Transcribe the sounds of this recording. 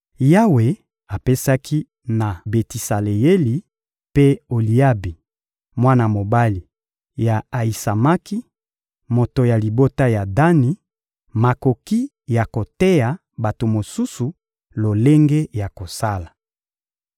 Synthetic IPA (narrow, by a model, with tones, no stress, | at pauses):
ja˦we˨ | a˨pe˦sa˦kʰi˦ | na˨be˨ti˨sa˨le˨je˦li˨ | pe˦o˨li˨a˦bi˨ | mwa˦na˨mo˨ba˦li˨ | ja˨a˨i˨sa˨ma˦ki˦ | mo˨to˨ja˨li˨bo˦ta˦ja˨da˦ni˨ | ma˨ko˨ki˦ | ja˨ko˨te˦ja˨ | ba˨to˨mo˨su˦su˨ | lo˨le˦ŋɡe˦ja˨ko˨sa˦la˨